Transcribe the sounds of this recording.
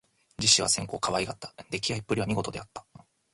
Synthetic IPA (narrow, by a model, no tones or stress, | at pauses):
d͡ʑiɕːiβa̰sẽ̞ŋko̞ːkaβaiɡat̪ːḁd̪e̞kʲiaipːɯ̟ɾʲiβamʲiɡo̞t̪od̪e̞at̪ːḁ